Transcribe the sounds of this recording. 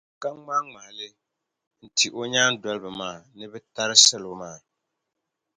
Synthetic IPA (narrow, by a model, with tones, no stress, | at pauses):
ka˦ŋ͡ma˦ŋ͡ma˨lɪ˦ | n̩˨ti˨ʔo˦ɲaː˦n˦dɔ˦lɨ˦bɨ˨maː˦˨nɨ˦bɛ˦ta˦ɾɪ˦sɛ˦lmaː˦˨